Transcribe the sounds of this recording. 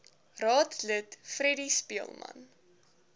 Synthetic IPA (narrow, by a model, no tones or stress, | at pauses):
rɑːtlətfrɛdispiəlˠmɐ̰n